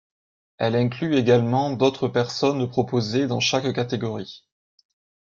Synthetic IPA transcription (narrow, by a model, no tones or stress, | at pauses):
ɛlɛ̃klyeɡalmɑ̃d̪ot̪χəpɛʁsɔnd̪əpχɔpozed̪ɑ̃ʃakkat̪eɡɔʁi